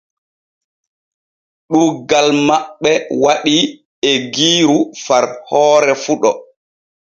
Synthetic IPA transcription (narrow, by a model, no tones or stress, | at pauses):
ɗuːɡalmaɓːɛwaɗi | ɛɡiːɾufaɾhɔːɾɛfuɗɔ̰